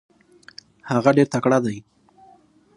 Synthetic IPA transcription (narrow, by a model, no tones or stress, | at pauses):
haɣaɖeɾt̪akɽad̪aj